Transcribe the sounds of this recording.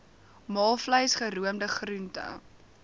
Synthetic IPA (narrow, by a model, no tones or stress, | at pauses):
mɑːlˠfləjsχəɾuəmdəχruntə̰